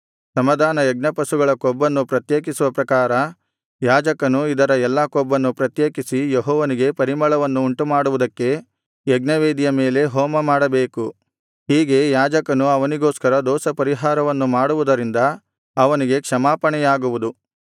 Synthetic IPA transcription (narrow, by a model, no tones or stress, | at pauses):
sɐmɐd̪ʱaːnɐjɐɡ̚nɐpɐsuɡɐɭɐkɔbːɐnːupɾɐt̪jeːk̬isuʋɐpɾɐkaːɾɐ | jaːd͡ʒɐkɐnuid̪ɐɾɐɛlːɐkɔbːɐnːupɾɐt̪jeːkisijeɦɔːʋɐniɡe̞pɐɾimɐɭɐʋɐnːuːɳʈumaːɽuʋud̪ɐkːe̞ | jeɡnɐʋeːd̪ijɐme̞ːle̞ɦɔːmɐmaːɽɐbeːku | ɦiːɡe̞jaːd͡ʒɐkɐnuɐʋɐniɡoːskɐɾɐd̪ɔːsɐpɐɾiɦaːɾɐʋɐnːumaːɽuʋud̪ɐɾind̪ɐ | ɐʋɐniɡe̞kʂɐmaːpɐɳɛjaːɡuʋud̪u